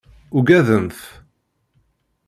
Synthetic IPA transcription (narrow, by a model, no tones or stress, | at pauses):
ʊɡæðənθ